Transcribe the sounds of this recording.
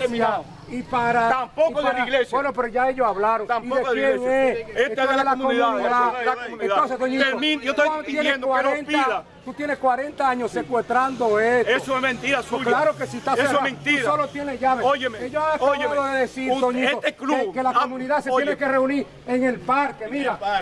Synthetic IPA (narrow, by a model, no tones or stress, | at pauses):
mia | ipaɾaampokoðpaeɾiaɣlesjbwenopeɾoʝaeʝosaβlaɾoŋamiejeŋeeeoeelakoumaniðaaomunenðaonsesðoɲit̪ominot̪atijenend̪owaɾenp̪iað | t̪ut̪jeneskwaɾent̪aaɲosekwe̞st̪ɾand̪oesteoemẽnt̪iɾalaɾokesit̪aesement̪iɾolot̪jeneʝaβeojeekeʝoaɣaaaðoðeðesiɾd̪oɲieot̪eklukelakomũniðasejenekereuniɾ | eŋe̞lpaɾkemiɾa